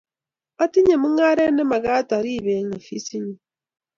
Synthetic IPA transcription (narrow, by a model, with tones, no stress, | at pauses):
a˦ti˦ɲe˨mu˦ŋa˦ɾe˦ne˦ma˨ɣa˦ta˨ɾi˦˨βe˨˦ŋa˨fi˦si˦ɲi˨